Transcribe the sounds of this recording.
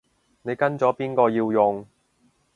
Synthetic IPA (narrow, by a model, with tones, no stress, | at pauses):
ne˨˧jkɐ˥nt͡sɔː˨˥piː˥nkɔː˧jiː˧wjʊ˨ŋ